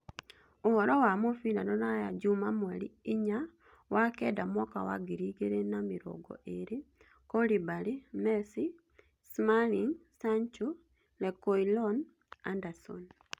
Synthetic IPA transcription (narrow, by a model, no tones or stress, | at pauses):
ohɔɾɔwamofinanɔnajad͡ʒumamwalḭiɲa | wakɛdamwɔkawa̰ɡiɾiɣeɾenamiɾɔ̰ɡɔ̰ʔeɾe | kɔlibalimɛsi | smaliŋsaɲt͡ʃu | lɛkoilɔn | andasɔ̰n